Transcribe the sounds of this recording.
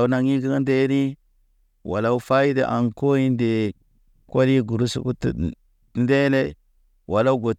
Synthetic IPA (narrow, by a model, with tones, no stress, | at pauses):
u˦na˨ŋi˦ɡi˦ɡa˦nde˦ɾi˦ | wʔa̰˨la˦u˦fa˦ji˦de˦ʔa˨ŋko˦ji˦nde˨ | ko˦li˦ɡu˨ɾu˦sṵ˨ku˦tṵ˨ | n˦de˦le˦ | wʔa˨la˦u˦ɡo˨